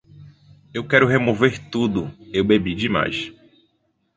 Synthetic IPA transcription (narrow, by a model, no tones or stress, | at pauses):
ewkɛɾʊɦemoveɾt̪ud̪ʊewbebid͡ʒɪma̰js